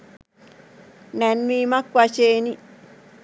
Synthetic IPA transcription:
nɛnːiːmakːwat͡ʃeːni

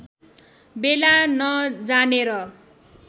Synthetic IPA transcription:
belanʌd͡zaneɾʌ

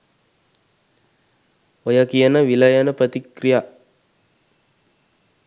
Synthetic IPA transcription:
ojɐkijɐnɐʋilɐjɐnəpɾət̪ikɾija

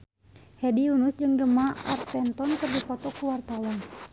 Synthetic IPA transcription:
hɛdiunusd͡ʒɨŋɡəmaa̰rt̪ɛnt̪ɔnkərdipɔt̪ɔkːuwart̪awɔn

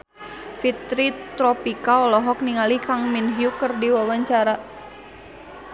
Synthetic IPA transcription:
fit̪ɾit̪ɾɔpikaɔlɔɦɔk̚niŋalihkaŋminɦjukərdiwawaɲt͡ʃaɾa

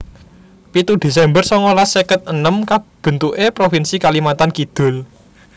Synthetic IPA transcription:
pit̪ud̪̥e̤s̬ɛmbərsɔŋolasekət̪̚ənəmkab̥ə̤nt̪uʔepɾofinsikalimat̪ankid̪̥ʊ̤l

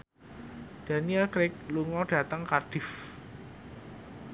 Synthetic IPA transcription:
d̪̥a̤niɛlkɾɪk̚luŋɔd̥a̤t̪əŋkard̥ɪf

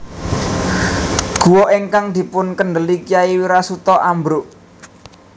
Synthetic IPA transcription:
ɡ̥ṳwɔʔeŋkaŋd̪̥i̤pʊnkənd̪əlikijaiwiɾasut̪ɔʔambɾʊʔ

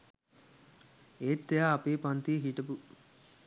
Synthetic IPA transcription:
eːt̪ːejaːɐpeːpant̪iɦiʈɐpu

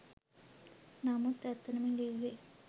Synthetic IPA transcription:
naːmut̪ɛt̪ːɐnɐmiliːʋe

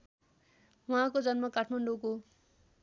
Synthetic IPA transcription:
wuɦãkod͡zʌnmʌkaʈʰmaɳɖoko

